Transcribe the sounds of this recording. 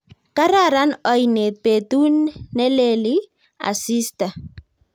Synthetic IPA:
kaɾaɾanɔjnepet̪unːɛleli | a̰sista

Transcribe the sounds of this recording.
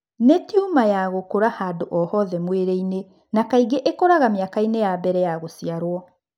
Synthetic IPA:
netiumajaɣokoɾahadoʔɔhɔðɛmweɾeine | nakaiɡeʔekɔɾaɣamjakainejabɛɾɛjaɣosiaɾwɔ

